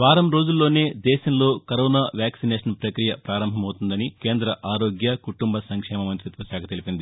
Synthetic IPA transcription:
ʋaːɾɐmɾo̞ːd͡ʒulːo̞ːne̞ːd̪ɛːʃɐmlo̞ːkɐɾoːnaːʋjaːksineːʃɐnpɾɐkɾijɐpɾaːɾɐmbʱɐmɐwut̪und̪ɐnike̞ːnd̪ɾɐʔaːɾo̞ːɡjɐkuʈumbɐsɐŋkʂɛːmɐmɐnt̪ɾit̪ʋɐsaːkʰɐt̪elipind̪i

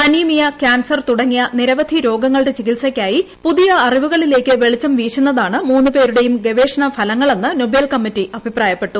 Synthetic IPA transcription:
ɐniːmijɐkaːnsɐrt̪uɽɐŋːijɐniɾɐʋɐd̪ʱiɾo̞ːɡɐŋːɐɭɽe̞t͡ɕikilsɐkʲːaːjipuðijɐːriʋuɣɐɭile̞ːkʲːɨʋe̞ɭit͡ɕːɐmʋiːʂunːɐðaːɳɨmuːnːɨpe̞ːɾuɽe̞jumɡe̞ʋe̞ːʂɐɳɐfɐlɐŋːɐɭenːɨnobeːlkɐmːitːiʔɐbʱipraːjɐpːe̞ʈːu

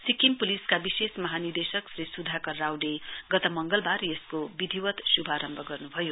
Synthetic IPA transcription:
sikimpuliskabisesmʌɦanird̪esʌksrisud̪ʱakʌrːawɖeɡʌt̪ʌmʌŋɡʌlbarjeskobid̪ʱiwʌt̪subʱaɾʌmbʱʌɡʌrnubʱʌjo

